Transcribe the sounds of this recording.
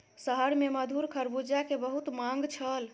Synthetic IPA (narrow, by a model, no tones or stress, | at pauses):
səɦəɾmeməd̪ʱuɾkʰəɾbud͡ʒakebəɦut̪mãŋɡt͡ʃʰəl